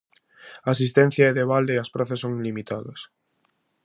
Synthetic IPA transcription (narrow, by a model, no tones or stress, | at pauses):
aːsist̪ɛn̟θjɐɛðeβald̪eɐspɾaθɐsːoŋilimit̪ʰaðɐs